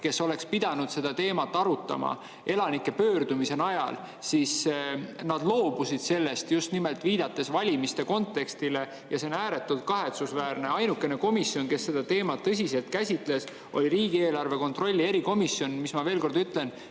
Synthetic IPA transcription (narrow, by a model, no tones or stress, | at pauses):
ke̞so̞le̞kspid̪̥ɑnud̪̥se̞d̪̥ɑt̪e̞ːmɑt̪ːˑɑɾut̪ːˑɑ̰mɑ̰ | ʔe̞lɑnikːˑe̞pøːrd̪umise̞nɑjɑ̰l | sisnɑd̪̥lo̞ːbusid̪̥se̞lːe̞st̪just̪nime̞lt̪ːˑviːd̪̥ɑt̪ːˑe̞svɑlʲimist̪e̞ko̞nt̪ːˑe̞kst̪ile̞ | jɑsenæːɾe̞t̪ːˑult̪̚kɑɦe̞t̪susvæːrne̞ɑjnukːˑe̞ne̞ko̞misːio̞nke̞sːe̞d̪ɑt̪e̞ːmɑt̪ːɤs̬ʲise̞lt̪̚kæsʲit̪ˑles | ʔo̞̰lʲiɾiːɡ̥ie̞ːlɑrve̞ko̞nt̪ro̞lʲːie̞ɾiko̞misːjo̞nmismɑve̞ːlko̞rd̪yt̪le̞n